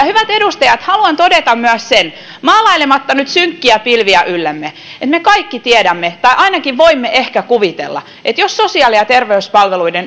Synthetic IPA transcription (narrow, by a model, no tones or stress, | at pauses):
jɑhyʋæt̪edust̪ɑjɑt̪hɑluɑnt̪odet̪ɑmmyæssen | mɑːlɑilemɑt̪ːɑnyt̪syŋkːiæpilʋiæʔylːemːe | et̪mekɑikːit̪iedæmːet̪ɑiʔɑinɑkiʋʋoimːeʔehkækuʋit̪ḛlːɑ̰ | ʔet̪jossosiɑˑliɑt̪erʋeyspɑlʋeluiden